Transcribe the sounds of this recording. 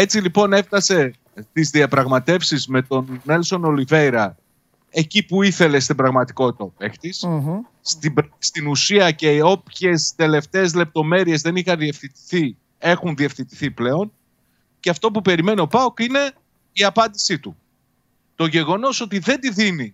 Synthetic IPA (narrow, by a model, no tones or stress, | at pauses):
e̞t͡silipo̞ne̞ft̪ɐse̞ | t̪izðiɐpɾɐɣmɐt̪e̞fsizme̞t̪o̞nːe̞lso̞no̞live̞jɾɐ | e̞cipuiθe̞le̞st̪ibɾɐɣmɐt̪i̥ko̞t̪opext̪is | st̪ibst̪inusiɐce̞o̞pçe̞st̪e̞le̞ft̪e̞ːzle̞p̚t̪o̞me̞ɾie̞zðe̞nixɐðie̞fθint̪i̥θi | e̞xunðie̞fθint̪iθiple̞o̞n | ceɐft̪o̞pupe̞ɾime̞nio̞pɐokine̞ | iɐpɐnd̪isit̪u | t̪o̞ʝe̞ɣo̞no̞so̞t̪iðe̞nd̪iðini